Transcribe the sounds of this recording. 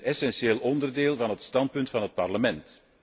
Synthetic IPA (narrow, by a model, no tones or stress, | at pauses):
ɛsɛnʃeːlˠɔndərdeːlˠvɑnɦətstɑnt̚pɵntfɑnɦət̚pɑrləmɛnt